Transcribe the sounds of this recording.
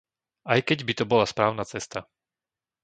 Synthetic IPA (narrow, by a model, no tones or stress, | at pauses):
ajkɛɟbit̪ɔbɔlaspɾaːʊnat͡sɛst̪a